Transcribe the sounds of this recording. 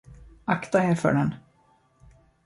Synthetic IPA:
akt̪aɛɾfœ̰ɖɛn

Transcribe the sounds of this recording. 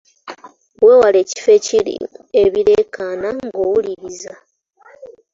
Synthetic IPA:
weːwaleːci̥fe̞ciɾḭeβiɾe̞ːkʰaːnaŋɡowuliβiza

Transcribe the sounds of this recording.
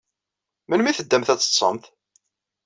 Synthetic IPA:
mənmiθəd̪ːæmθæt͡sːə̥sˤːə̰mθ

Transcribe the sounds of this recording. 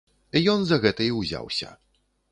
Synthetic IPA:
ijɔnzɐɣɛt̪ɐiwzʲa̰wsʲɐ̰

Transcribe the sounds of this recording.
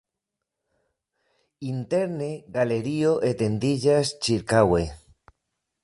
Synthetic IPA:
int̪eɾneɣaleɾioʔet̪end̪iʎast͡ʃiɾkawe

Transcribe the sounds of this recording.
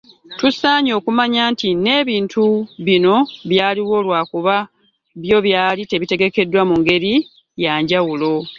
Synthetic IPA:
tusaːɲo̞ːkumaɲaːntine̞ːβiːntʰuβino̞βjaːliwo̞ːlwaːkuβa | βjo̞βjaːlite̞βite̞ɡe̞ke̞dːwamuŋɡe̞ɾi | jaːɲɟawulo̞

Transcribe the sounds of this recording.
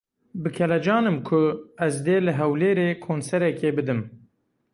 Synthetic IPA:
bɨkʰɛlɛd͡ʒɑːnɨmkʰʊɛzd̪eːlɨɦɛwleːɾeːkʰoːnsɛɾɛkeːbɨd̪ɨm

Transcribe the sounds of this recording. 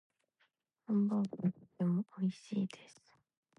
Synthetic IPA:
hõmbokot̪emoʔoiɕiːd̪e̞sɨ̥

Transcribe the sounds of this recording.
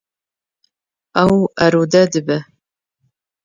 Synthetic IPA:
ɐwɐɾudɐdɨbɐ

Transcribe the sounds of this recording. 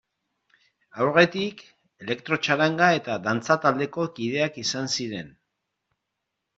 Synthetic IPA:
awɾɣe̞t̪ik | e̞le̞kt̪ɾo̞t͡ʃaɾaŋɡae̞t̪aðant͡sat̪ald̪e̞ko̞kiðe̞akisansiɾe̞n

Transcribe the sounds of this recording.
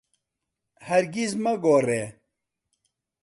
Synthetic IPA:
hɐɾɡizməɡoːreː

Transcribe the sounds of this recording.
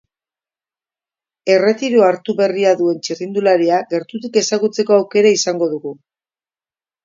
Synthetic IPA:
e̞re̞t̪iɾoaɾt̪uβe̞riaðue̞nt͡ʃirind̪ulaɾiaɣe̞ɾt̪ut̪ike̞saɣut͡se̞ko̞awke̞ɾaisaŋɡo̞ðuɣu

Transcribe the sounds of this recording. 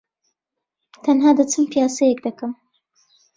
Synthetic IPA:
t̪ʰɐnɦaːd̪ɐt͡sɨmpijaːsɐjɛkd̪ɐkɐm

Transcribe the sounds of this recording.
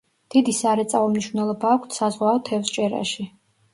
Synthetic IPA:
d̪̥id̪isaɾɛt̪sʼavɔmniʃvnɛlˠɔbaːkʷʰt̪ʰsazʁwaɔt̪ʰɛfst͡ʃʼɛɾa̰ʃi

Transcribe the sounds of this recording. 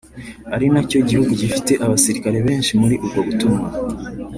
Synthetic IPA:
aɾinaco̞ɟihuɡuɟifite̞ʔaβasiɾikaɾe̞βe̞ːnʃimuɾiʔubɡo̞βutumŋa

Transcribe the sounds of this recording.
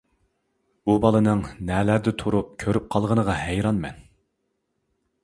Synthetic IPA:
b̥ubɑlˠɨnɨŋnɛːlæɾd̪ɪt̪ʰuɾup̚kʲʰøɾyp̚qʰɑlˠʁənəʁɑhæjɾɑnmɛ̰n

